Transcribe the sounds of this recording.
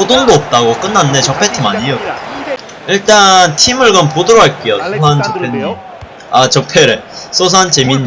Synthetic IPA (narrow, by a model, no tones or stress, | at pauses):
odondoʌp̚t͈aɡok͈ɯnːande̞t͡ɕʌpʰe̞tʰɯmaɲijok | iɭt͈antʰimɯɭɡʌnpodɯɾoɦaɭk͈ejosʰos̬ʰant͡ɕʌpʰen | at͡ɕʌpʰeɾes͈ʰos̬ʰant͡ɕemin